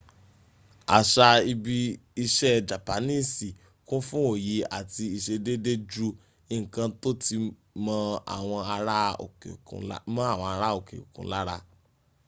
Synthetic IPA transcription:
a˨ʃa˧i˧bi˧i˧ʃɛ˦d͡ʒa˨pa˨˦nĩ˦˨si˨ | kũ˦fũ˦o˨je˨˦a̰˨ti˧i˧ʃe˧de˦de˦d͡ʒu˦ | ĩ˦˨kã˧to˦ti˧ | mã˧a̰˨w̃ɔ̃˧a˧ɾa˦o̰˨ke˨kṵ̃˨˦lmã˦a˦˨w̃ɔ̃˧a˧ɾa˦o˨kḛ˨ṵ˨kṵ̃˨˦la˦ɾa˧

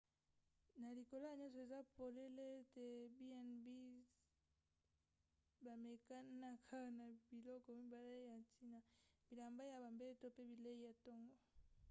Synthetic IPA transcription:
na˨li˨ko˨lo˦a˨ɲɔ̃˦so˨e˨za˦po˨le˦le˦te˨bi˦a˨nbi˦ | ba˨me˨ka˦na˦kʰa˦na˨bi˨lɔ˦kɔ˨mi˦ba˨le˦ja˨nti˦na˨bi˨la˨mba˦ja˨ba˨mbe˦to˦pe˦bi˨le˦i˦ja˨tɔ˦ŋɡɔ˨˦

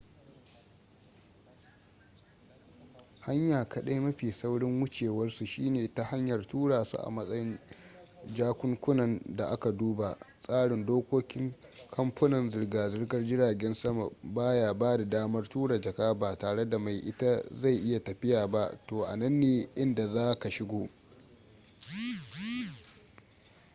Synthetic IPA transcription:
ha˦ɲjaː˨kʰɐ˦ɗa˦jmɐ˦ɸiː˨sa˦wɽɪ˦ŋwʊ˦t͡ʃeː˨wɐ˦rsu˨ʃiː˦neː˨ta˦ha˦ɲjɐ˨rtuː˦ɽaː˨sṵ˨ʔa̰˨mɐ˦sʼɐ˦jɪ˦n | d͡ʒaː˦kʷʊ˦ŋkʷʊ˦nɐ˨nda˨ʔa˦ka˨duː˦ba˨sʼaː˦ɽɪ˨ndoː˦kʷoː˦kʲɪ˦ŋkʰɐ˦mɸɐ˦nɐ˨nzɪ˨rɡaː˨zɪ˦rɡɐ˦rd͡ʒɪ˦ɽaː˨ɡʲɛ˦nsɐ˦ma˨baː˦jaː˨baː˦da˨daː˦mɐ˦rtuː˦ɽa˨d͡ʒɐ˨kaː˦baː˨taː˨ɽe˦da˨ma˨jʔɪ˦ta˦za˦˨jʔɪ˦ja˨tɐ˨ɸɪ˦jaː˨ba˦toː˨ʔa̰˨nɐ˦nːeː˨ʔɪ˦nda˨zaː˦ka˨ʃɪ˦ɡʷoː˦

